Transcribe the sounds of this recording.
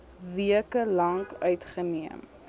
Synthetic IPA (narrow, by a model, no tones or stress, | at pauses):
viəkəlɐŋkœɥtχəniəm